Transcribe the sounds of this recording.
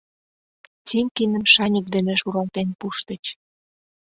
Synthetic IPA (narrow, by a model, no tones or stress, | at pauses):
t͡siŋkinə̆mʃɑnʲukd̪enĕʃuɾɑlt̪enpuʃt̪ə̆t͡ɕ